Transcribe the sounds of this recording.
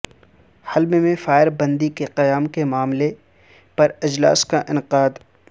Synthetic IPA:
hɐlmemẽfaːɪɾbɐ̃nd̪ikeqɐjaːmkemaːmle | pɐɾɪd͡ʒla̰ːskaʔɪnqaːd̪

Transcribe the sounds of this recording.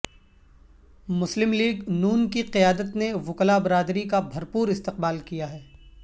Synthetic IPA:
mʊslɪmliːɡnuːnkiqijaːd̪ət̪neʋʊklabɪɾaːd̪ɾikabʱɐɾpuːɾɪst̪ɪq̚baːlkijaɦɛː

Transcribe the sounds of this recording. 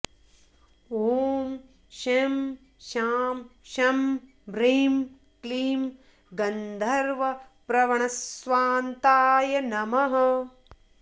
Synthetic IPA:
oːm | ʃem | ʃaːmʃɐm | bɾiːm | kliːm | ɡɐnd̪ʱɐɾʋɐ | pɾɐʋɐɳɐsʋaːnt̪aːjɐnɐmɐɦɐ̆

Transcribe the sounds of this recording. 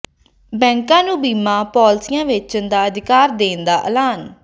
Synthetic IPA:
bɛ̃ːŋkãːnũːbiːmãːpɔːlsɪjãːʋɪt͡ʃənd̪aːəd̪ɪkaːɾd̪eːnd̪aːʔə̰laːn

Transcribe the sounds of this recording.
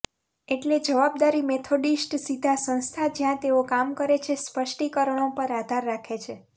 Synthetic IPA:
eʈled͡ʒəʋab̚d̪aɾimet̪ʰoɖisʈsid̪ʱasə̃ñst̪ʰad͡ʒjãt̪eokamkəɾet͡ʃʰespəʃʈikəɾəɳ̃opəɾad̪ʱaɾːakʰet͡ʃʰe

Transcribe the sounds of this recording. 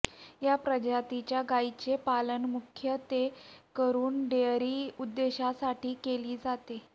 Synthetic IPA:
japɾəd͡ʑat̪it͡ɕjaɡait͡ɕepalənmukʰjət̪ekəɾuːnɖeɾiːud̪ːeɕasaʈiːkeliːd͡zat̪e

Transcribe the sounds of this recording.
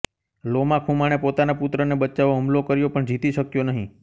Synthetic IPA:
lomãkʰũmaɽ̃epot̪anaput̪ɾənebət͡ʃaʋoɦəmlokəɾjopəɳd͡ʒit̪iʃəkjonəɦĩ

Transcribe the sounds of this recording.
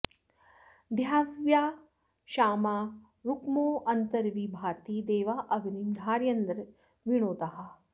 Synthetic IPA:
d̪ʱjaːʋjaː | ʃaːmaː | ɾukmoːɐnt̪ɐɾʋibʱaːt̪id̪eːʋaːʔɐɡnimd̪ʱaːɾjɐnd̪ɾɐ | ʋiɽ̃oːt̪ɐɦa

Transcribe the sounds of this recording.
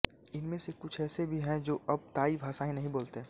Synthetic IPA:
ɪnmẽsekʊt͡ʃʰɛːsebʱiɦɛ̃d͡ʒoːʔɐb̚t̪aːibʱaːsaĩnɐɦĩboːlt̪eɦɛ̃ː

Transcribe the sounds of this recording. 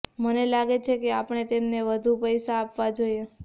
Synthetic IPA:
mənelaɡet͡ʃʰekeapɳ̃et̪emneʋəd̪ʱupəjsaːpʋad͡ʒoje

